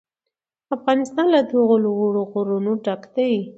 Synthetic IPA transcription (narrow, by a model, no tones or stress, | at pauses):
afɣɑnɪst̪ɑnlad̪oɣolɣoɽoɣoɾunoɖɑkd̪awi